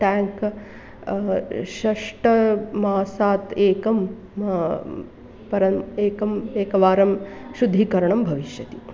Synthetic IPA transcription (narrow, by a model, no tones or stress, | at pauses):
ʈaːŋk | ʃɐʂʈɐmaːsaːt̪eːkɐm | pɐɾɐmeːkɐmeːkɐʋaːɾɐmʃud̪ʱːikɐɾɐɳɐmbʱɐʋiʃjɐt̪i